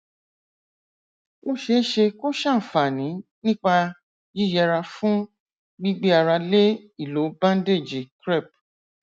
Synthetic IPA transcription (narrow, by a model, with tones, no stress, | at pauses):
mo˦ʃe˧˦ʃe˧ko˦ʃã˦˨fa˨nĩ˨˦nĩ˦k͡pa˧ | ji˦˨jɛ˧ɾa˧fũ˦ | ɡ͡bi˦ɡ͡be˦a˨ɾa˧le˦i˦˨lo˨˦bã˦n˦de˦˨d͡ʒi˨kɾɛ˦˨p̚